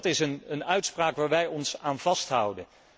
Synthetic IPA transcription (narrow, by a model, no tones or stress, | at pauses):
tɪsənənœɥtspraːkʋaːɹʋɛjɔnsaːnvɑstɦʌwdən